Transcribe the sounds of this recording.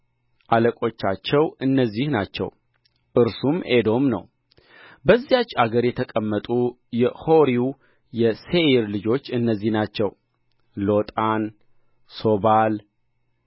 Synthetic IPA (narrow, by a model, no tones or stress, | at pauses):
ʔaləkʼo̞t͡ʃːat͡ʃːɛwɨnːəzːihnat͡ʃːɛ̰w | ʔɨɾsumed̪o̞mnə̰w | bəzːijat͡ʃːaɡəɾjɛt̪ʰəkʼəmːət̪ʼu | jɛho̞ɾiu | jɛseiɾlɨd͡ʒo̞t͡ʃːɨnːəzːihnat͡ʃːɛw | lo̞t̪ʼan | so̞bal